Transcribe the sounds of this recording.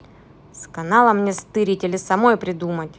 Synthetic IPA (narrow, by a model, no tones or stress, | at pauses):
skɐnalˠɐmnʲest̪ɨɾʲitʲɪlʲɪsɐmo̞jpɾʲɪd̪umətʲ